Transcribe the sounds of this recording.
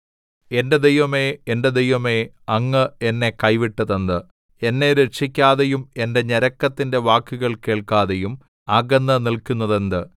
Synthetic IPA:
e̞nde̞d̪ejʋɐme̞ːnde̞d̪ejʋɐme̞ː | ɐŋːɨenːe̞kɐjʋiʈːɐðɐnd̪ɨ | e̞nːe̞ɾeʂikʲːaːðejume̞nde̞ɲeɾɐkːɐt̪ːinde̞ʋaːkːuɣɐɭke̞ːɭkaːðejum | aːɡɐnːɐnilkunːɐðe̞nd̪ɨ

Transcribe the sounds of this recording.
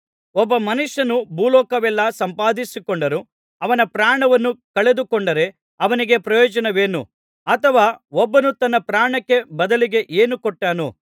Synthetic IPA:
ɔbːɐmɐnuʂjɐnubuːlɔːkɐʋɛlːɐsɐmpaːd̪isikɔɳɖɐɾu | ɐʋɐnɐpɾaːɳɐʋɐnːukɐɭe̞d̪ukɔɳɖɐɾe̞ | ɐʋɐniɡe̞pɾɐjɔːd͡ʒɐnɐʋe̞ːnṵ | ɐt̪ʰɐʋaːɔbːɐnut̪ɐnːɐpɾaːɳɐkːe̞bɐd̪ɐliɡe̞ʔeːnukɔʈːaːnu

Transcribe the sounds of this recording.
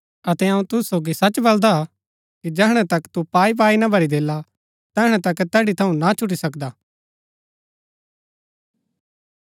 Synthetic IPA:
ɐt̪ɛɐũt̪ʊssoːɡisɐt͡ʃbɐld̪a | kid͡ʒɛːɦɽ̃ɛ̃t̪ɐkt̪upaːip̬aːinabʱɐɾid̪eːla | t̪ɛːɦɽ̃ɛ̃t̪ɐkt̪ɛːɽit̪ʰɐũnat͡ʃʰʊʈ̬isɐkd̪aː

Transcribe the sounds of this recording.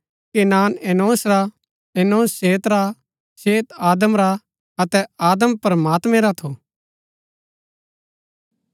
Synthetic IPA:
kenaːnɛːnoːsɾa | ɛːnoːsːeːt̪ɾa | seːt̪aːd̪əmɾa | ɐt̪ɛaːd̪əmpɾəmaːt̪mɛ̃ɾat̪ʰo

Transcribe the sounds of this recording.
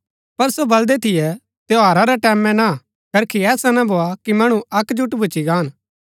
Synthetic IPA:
pɐɾsobɐld̪ɛt̪ʰɪjɛ | t̪eoɦɐːɾaɾɛʈɛːmɛ̃na | kɐɾkʰiɛːsanɐbʱoakimɐɽ̃ũɐkd͡ʒuʈbʱʊt͡ʃiɡaːn

